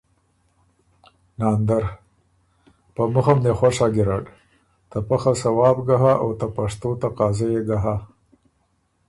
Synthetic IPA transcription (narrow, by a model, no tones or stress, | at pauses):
nɑːnd̪aɾ | pəmʊxamd̪exwaʂɑːɡiɾaɖ | t̪apaxasawɑːbɡaɦaawt̪apaʂt̪ot̪aqɑːzajeɡaɦa